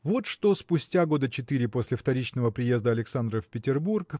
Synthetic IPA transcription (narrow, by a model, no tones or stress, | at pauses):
vo̞t̪ʂt̪o̞spʊsʲtʲaɡo̞d̪ət͡ɕɪt̪ɨɾʲɪposʲlʲɪft̪ɐɾʲit͡ɕnəvəpɾʲɪje̞zd̪əɐlʲɪksand̪ɾəfʲpʲɪtʲɪrburk